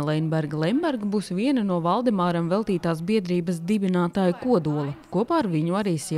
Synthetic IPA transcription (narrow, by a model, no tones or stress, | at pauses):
lˠɛjnbɛɾɡlˠɛjnbɛɾɡbuːsʋiɛnɐnuɔvɑlˠd̪ɛmaːɾamvɛlˠt̪iːt̪aːs̬biɛd̪ɾiːbɐs̬d̪ibinaːt̪aːjukuɔd̪uɔlˠɐkuɔpaːɾʋiɲuaɾiːs